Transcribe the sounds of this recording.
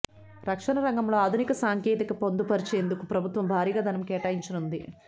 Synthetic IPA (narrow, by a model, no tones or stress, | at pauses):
ɾɐkʂɐnɐɾɐŋɡɐmlo̞ːaːd̪ʱunikɐsaːŋkeːt̪ikɐpond̪upɐɾit͡ʃeːnd̪ukupɾɐbʱut̪ʋɐmbʱaːɾiːɡaːd̪ɐnɐmkɛːʈaːjiɲt͡ʃɐnund̪i